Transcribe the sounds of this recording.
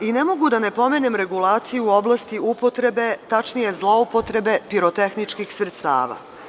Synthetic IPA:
ine̞mo̞ɡud̪ane̞po̞me̞ne̞mɾe̞ɡulˠaːt̪sijuo̞blˠast̪iupo̞t̪ɾe̞be̞t̪at͡ʃnije̞zlˠo̞upo̞t̪ɾe̞be̞piɾot̪e̞xnit͡ʃkixsɾet̪st̪a̰ːʋa̰

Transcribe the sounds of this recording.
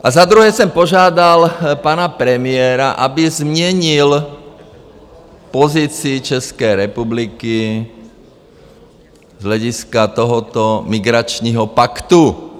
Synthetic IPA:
ʔazad̪ɾuɦɛːsɛmpɔʒɪad̪alpaːnapɾɛmɪɛːɾaʔabizmɲɛɲil | pɔziːt͡siːt͡ʃɛskɛjɾɛpubliki | zɦlaɟiskat̪ɔɦɔt̪ɔmiɡɾat͡ʃniɦɔpakt̪u

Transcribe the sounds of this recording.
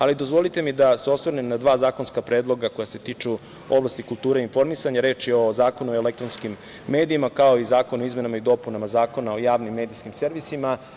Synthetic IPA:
alid̪o̞zʋo̞lit̪e̞mid̪aseo̞sʋoɾnemnad̪ʋaːzaːko̞nskapɾe̞ːd̪lˠo̞ɡako̞jase̞t̪iːt͡ʃu | o̞blˠast̪ikulˠt̪uːɾeinfo̞ɾmisaɲaɾe̞ːt͡ʃjeo̞zaːko̞nuoelek̚t̪ɾonskimː | e̞ːd̪iimakao̞izaːko̞noizme̞namaid̪o̞punamazaːko̞nao̞jaːʋnimːe̞ːd̪ijskimseɾʋisima

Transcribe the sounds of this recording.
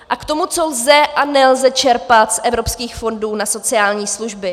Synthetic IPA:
ʔakt̪o̞mut͡so̞lzɛʔʔanɛlzɛt͡ʃɛɾpat̪sʔɛvɾo̞pskiːxfo̞nduːnaso̞t͡sɪaːlɲiːsluʒbɪ

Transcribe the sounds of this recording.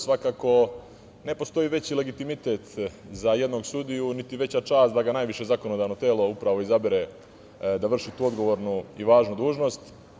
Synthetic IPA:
sʋakaːko̞ | ne̞po̞st̪o̞iːʋe̞t͡ɕile̞ɡit̪imit̪et̪zaje̞d̪noɡsud̪ijunit̪iʋe̞t͡ɕat͡ʃaːst̪d̪aɡanaːjʋiʃe̞zako̞nod̪aːʋno̞t̪eːlo̞upɾaʋo̞izabiɾe | d̪aʋr̩ʃit̪uːo̞d̪ɡo̞ʋo̞ːɾnuiʋaːʒnud̪uːʒno̞st̪

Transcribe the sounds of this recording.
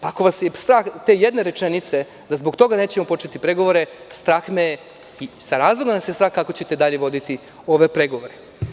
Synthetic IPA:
paako̞ʋasjest̪ɾaːxt̪e̞ːjed̪ne̞ɾe̞t͡ʃenit̪se̞ | d̪azbo̞ɡkt̪o̞ɡane̞ːt͡ɕe̞mo̞po̞t͡ʃet̪ipɾe̞ɡo̞ʋo̞ɾe̞ | st̪ɾaːxme | isaɾaːzlˠoɡanasjest̪ɾaːxkakot͡ɕe̞t̪ed̪aʎe̞ʋo̞d̪it̪i | o̞ʋe̞pɾe̞ɡo̞ʋo̞ɾe

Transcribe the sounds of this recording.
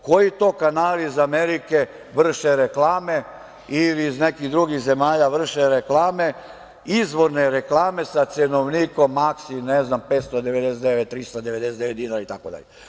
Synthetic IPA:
kojit̪oːkanaːliːzameɾike | ʋr̩ʃeɾeklaːme | iliːznekiɣd̪ɾuɡixze̞maːʎaʋr̩ʃeɾeklaːme̞ | izʋo̞ɾneɾeklaːme̞sat̪senoʋniːkomːaksinɛznampeːt̪st̪od̪eʋed̪eset̪d̪eʋet̪ːɾist̪ad̪eʋed̪esed̪eʋet̪d̪inaɾait̪akod̪a̰ʎe

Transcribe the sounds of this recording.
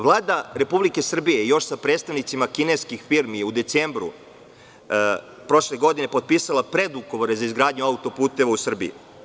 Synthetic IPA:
ʋlˠaːd̪aɾe̞publike̞sr̩bijejjo̞ʃsapɾed̪st̪aʋnit̪simakineskixfiɾmijeud̪e̞t̪seːmbɾṵ | pɾo̞ʃle̞ɡo̞d̪ine̞pot̪̚piːsalˠapɾe̞d̪uɡo̞ʋo̞ɾezaizɡɾaːd̪ɲuaut̪o̞puːt̪e̞ʋausr̩bijḭ

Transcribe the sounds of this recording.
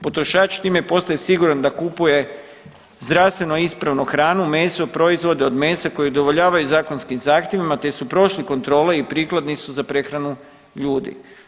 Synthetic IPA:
po̞t̪ɾo̞ʃaːt͡ʃt̪iːmepo̞st̪ajesiɡuɾand̪akupuje̞ | zd̪ɾast̪ʋe̞noispɾaʋnuxɾaːnumeːsopɾo̞izʋo̞d̪eo̞d̪me̞ːsako̞jiod̪oʋo̞ʎaːʋajuzaːko̞nskimzaːxt̪jeʋimat̪e̞supɾo̞ʃliko̞nt̪ɾo̞ːle̞ipɾiːklˠad̪nisuzapɾe̞xɾanu | ʎuːd̪ḭ

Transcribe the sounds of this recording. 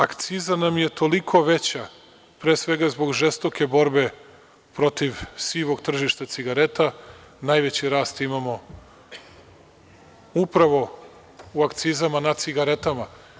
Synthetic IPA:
akt̪sizanamje̞t̪o̞likʰo̞ʋe̞t͡ɕa | pɾeːsʋe̞ɡazbo̞ɡʒest̪o̞kʰe̞bo̞ɾbe̞ | pɾo̞t̪iʋsiːʋo̞ɡt̪r̩ʒiʃt̪at̪siɡaɾe̞t̪anajʋe̞t͡ɕiɾaːst̪imamo̞ | upɾaʋo̞ | uakt̪sizamanad̪siɡaɾe̞t̪ama

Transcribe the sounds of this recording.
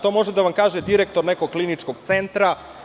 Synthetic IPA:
t̪o̞ːmo̞ʒed̪aʋamkaːʒed̪iɾek̚t̪o̞ɾne̞koɡ̚klinit͡ʃkoɡt̪se̞nt̪ɾa

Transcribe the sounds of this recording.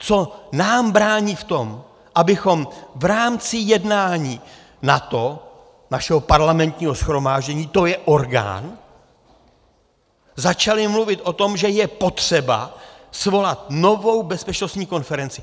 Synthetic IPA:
t͡so̞naːmbɾaːɲiːft̪o̞m | ʔabɪxo̞mvɾaːmt͡sɪjɛdnaːɲiː | nat̪o̞ | naʃɛɦo̞paɾlamɛnt̪ɲiːɦo̞sxɾo̞maːʒɟɛɲiːt̪o̞jɛʔo̞ɾɡa̰ːn | zat͡ʃalɪmluvɪt̪ʔo̞t̪o̞mʒɛjɛpo̞t̪r̥ɛba̰svo̞lat̪no̞vo̞wbɛspɛt͡ʃno̞st̪ɲiːko̞nfɛɾɛnt͡sɪ

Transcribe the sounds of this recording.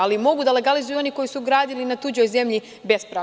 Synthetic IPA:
alimo̞ɡud̪ale̞ɡalizujuo̞niko̞jisuɡɾaːd̪ilinat̪ud͡ʑo̞jze̞mʎi | be̞spɾaː

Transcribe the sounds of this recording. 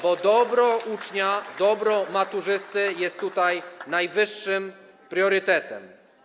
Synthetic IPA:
bɔd̪ɔbɾɔʔut͡ʂɲad̪ɔbɾɔmat̪uʐɘst̪ɘjɛst̪ːut̪ajnajvɘʂːɘm | pɾʲjɔɾɘt̪ɛt̪ɛm

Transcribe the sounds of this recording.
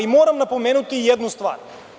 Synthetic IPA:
imɔɾamnapɔmɛnut̪iiɛd̪nust̪va̰ɾ

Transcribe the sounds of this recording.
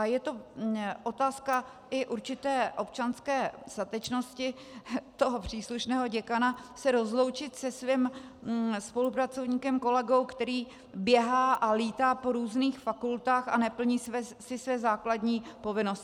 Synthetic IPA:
ajɛt̪oʔo̞t̪aːska | ʔɪʔuɾt͡ʃɪt̪ɛːʔo̞p̚t͡ʃanskɛːst̪at̪ɛt͡ʃno̞scɪ | t̪o̞ɦopr̝̥iːsluʃnɛːɦo̞ɟɛkanasɛɾo̞zlo̞wt͡ʃɪt̪sɛsvim | spo̞lupɾat͡so̞vɲiːkɛmko̞lɛɡo̞wkt̪ɛɾiː | bjɛɦaːʔaliːt̪aːpo̞ɾuːzniːxfakult̪aːxa̰nɛpl̩ɲiːsvɛsɪsvɛːzaːklad̪ɲiːpo̞vɪnosɪ

